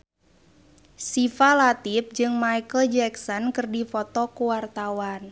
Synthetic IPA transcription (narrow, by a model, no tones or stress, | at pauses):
sifalat̪if̚d͡ʒɨŋmajkəld͡ʒɛksɔnkɨrdifɔt̪ɔkuwart̪awan